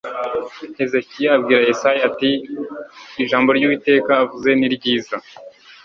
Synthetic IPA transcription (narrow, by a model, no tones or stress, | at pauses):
e̞zekijaːbɡiːɾaesajatiː | ʒaːmbo̞ɾjuwite̞ːkaːvuze̞niɾɟiːza